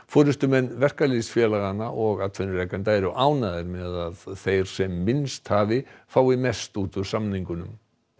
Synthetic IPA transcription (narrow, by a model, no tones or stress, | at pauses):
fɔɾʏst̪ʏmɛnːvɛr̥kalisfjɛlaɣanːaʔɔɣat̪ʰfɛnʏrɛkant̪aɛɾʏʔaːwnaðɪɾmɛðaðθejɾ̥sɛmːɪnst̪haːvɪfaːwimɛst̪uːt̪ʏɾ̥samniŋkʏnʏm